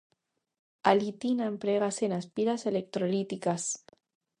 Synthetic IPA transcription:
alit̪inaempɾeɣasenaspiɾaselek̚t̪ɾolit̪ikas

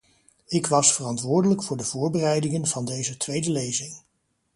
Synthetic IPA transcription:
ɪkʋɑsfərɑntʋʊːɹdələkfʊːɹdəv̥ʊːɹbərɛjdɪŋənv̥ɑndejzətʋejdəlejzɪŋ

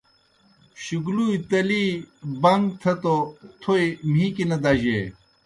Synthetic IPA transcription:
ɕuɡluːit̪ɐliːbɐŋɡ̚t̪ʰɐt̪ot̪ʰoim̤iːkinɐd̪aʑe

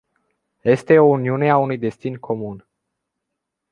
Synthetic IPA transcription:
je̞st̪e̞o̞uniune̞aunujd̪e̞st̪inkʰo̞mun

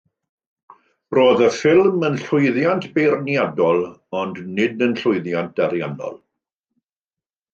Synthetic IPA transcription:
roːðəfɪlˠmənɬʊjðjantʰb̥erniadɔlˠɔndnɪdənɬʊjðjant̚d̥aɾja̰nɔ̰lˠ

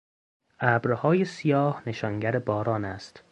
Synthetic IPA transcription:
ʔæːbɾhɒːjesijɒːhneʃɒːŋɟæɾebɒːɾɒːnæst̪

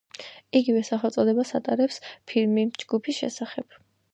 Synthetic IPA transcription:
iɡivɛsaχɛlt̪sʼɔd̪ɛbasa̰t̪ʼaɾɛpspʰiɾmid͡ʒɡupʰisʃɛ̰saχɛb̥

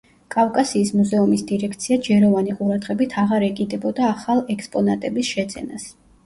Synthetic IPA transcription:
kʼafkʼasiːsmuzɛumisd̪iɾɛkʰt̪sʰiad͡ʒɛɾɔvaniqʼuɾad̪ʁɛbit̪ʰaʁaɾɛkʼid̪ɛbɔd̪aːχalˠɛkspʼɔnat̪ʼɛbisʃɛd̪z̥ɛ̰nas

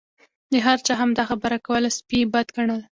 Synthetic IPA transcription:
d̪əɦaɾt͡ʃɑɦamd̪ɑxabəɾakawəlaspibad̪ɡaɳal

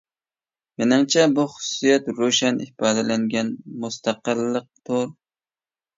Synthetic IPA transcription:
menɪmt͡ʃʰɛbuχʊ̥ʊsijɛt̪ɾoʃɛnipɑːd̪ɛlæŋɡʲɛnmʊst̪ʰɑqɨlːɨq̚t̪ʰoɾ

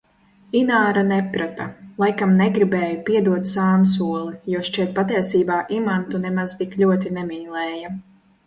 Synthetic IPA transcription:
inaːɾanɛpɾat̪alˠajkamnɛɡɾibɛːjupiɛd̪uɔt̪saːnsuɔlˠijuɔʃt͡ʃiɛt̪̚pat̪iɛsiːbaːʔimant̪unɛmaz̥t̪iklʲuɔt̪̬inɛmiɲlˠɛːja

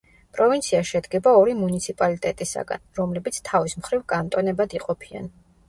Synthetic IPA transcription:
pʼɾɔvint̪sʰiaʃɛd̪ɡɛbaɔɾimunit̪sʰipʼalit̪ʼɛt̪ʼisa̰ɡa̰nɾɔmlɛbit̪sʰt̪ʰavismχɾivkʼant̪ʼɔnɛbad̪iqʼɔpʰia̰n

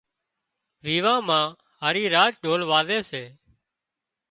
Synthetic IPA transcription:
ʋiːʋãːmãː | ɦaːɾiːɾaːt͡ʃɗʱoːlʋaːzeːseː

